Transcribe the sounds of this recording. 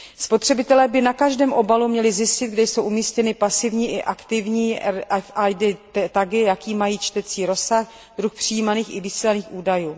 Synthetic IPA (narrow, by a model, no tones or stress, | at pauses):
spo̞t̪r̝̥ɛbɪt̪ɛlɛːbɪnakaʒdɛːmʔo̞balumɲɛlɪzjɪscɪtd̪̚ɡ̚dɛjso̞wʔumiːscɛnɪpasɪvɲiːʔɪʔakt̪ɪvɲiːʔafajdɪt̪t̪aɡɪjakiːmajiːt͡ʃt̪ɛt͡siːɾo̞sax | d̪ɾuxpr̝̥ɪjiːmaniːxɪvɪsiːlaniːxʔuːdajuː